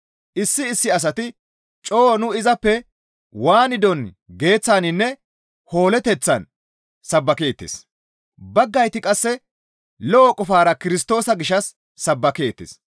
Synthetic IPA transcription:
ʔɪsːɪːsːɪɐs̬ɐt̪ɪ | t͡ʃʼoːnʊɪzɐpːɛ | waːnɪd̪ɔn | ɡe̞ːt͡sːaːnɪnːɛ | ho̞ːlɛt̪ɛt͡sːɐn | sɐbːɐkeːt̪ːḛs | bɐɡːɐjt̪ɪkʼɐsːɛ | lɔːkʼɔfaːɾɐkɪɾɪs̬t̪o̞ːsɐɡɪʃɐsː | ɐbːɐkeːt̪ːɪ̰s

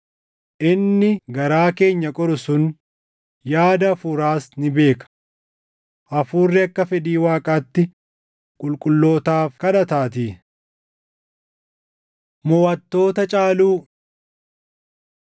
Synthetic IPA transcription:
ʔɪnːɪɡɐɾaːke̞ːɲːɐkʼɔɾʊsʊn | jaːd̪ɐfʊɾaːsnɪbe̞ːkɐ̥ | ʔɐfuːrːɪɐkːɐfɛd̪iːwaːkʼaːt̪ːɪ | kʼʊlkʼʊlːo̞ːt̪aːfkɐᶑɐt̪aːt̪̬iː | mɔwɐt̪ːo̞ːt̪ɐt͡ʃʼaːluː

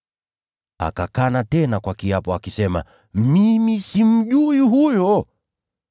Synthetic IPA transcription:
a̰kakanatɛnakwakiapɔakisɛma̰ | mimisim̩ʄuiɦujɔ

